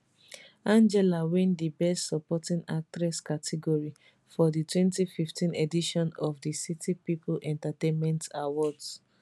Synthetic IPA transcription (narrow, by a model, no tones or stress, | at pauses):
ãnd͡ʒɛlawɛ̃ndibɛstsɔpɔtĩnak̚tɹɛskatʰɛɡɔɹi | fɔditʰwɛ̃ntififtĩnediʃɔ̃nɔfdisitʰipiplʔɛ̃ntatẽnmɛ̃ntawɔds